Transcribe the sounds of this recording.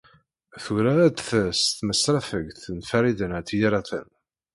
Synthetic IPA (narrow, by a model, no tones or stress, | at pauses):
θuɾad̪θst̪ːməsːɾˤafəɡθənfæɾid̪ənt̪ːjiɾˤaθə̰n